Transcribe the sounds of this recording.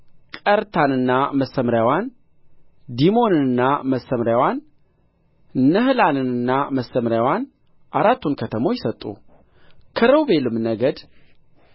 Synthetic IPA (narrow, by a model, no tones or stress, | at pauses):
kʼəɾt̪ʰanɨnːaməsːəmɾjawan | d̪imo̞nɨnɨnːaməsːəmɾjawan | nəhlanɨnɨnːaməsːəmɾjawan | ʔaɾat̪ʰːunkʰət̪ʰəmo̞jɪsət̪ʼːṵ | kʰəɾəwbe̞lɨmnəɡəd̪